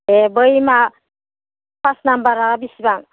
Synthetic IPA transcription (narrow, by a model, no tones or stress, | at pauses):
ebəjma | pasnambaɾaɣabisibaŋ